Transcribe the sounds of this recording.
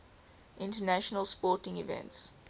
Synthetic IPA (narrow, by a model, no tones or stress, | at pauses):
ʔɪ̃ntənæʃənəlˠspɔːtɪ̃ŋivɛ̰̃nts